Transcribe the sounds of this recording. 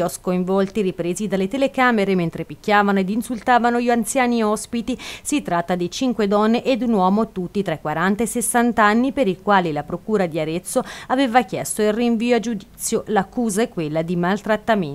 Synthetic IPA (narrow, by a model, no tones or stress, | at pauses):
ɔskoiɱvɔlt̪iɾipɾeːzid̪alːet̪elekaːmeɾement̪ɾepikʲːjaːvanoed̪insult̪aːvanoʎiant̪sjaːniɔspit̪isit̪ːɾat̪ːad̪it͡ʃiŋkwed̪ɔnːeʔed̪ːunwɔːmot̪ut̪ːit̪ɾaekːwaɾant̪aesesːant̪anːipeɾikwaːlilapɾokuːɾad̪iaɾet̪sːoaveːvakjɛst̪oilriɱviːoad͡ʒud̪iitt̪sːjolakːuːzaɛkːwelːad̪imalt̪ɾat̪ːamen